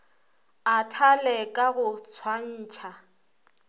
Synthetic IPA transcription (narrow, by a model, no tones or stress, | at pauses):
atʰalɛkʼaɣʊt͡sʰwan̩ːt͡ʃʰa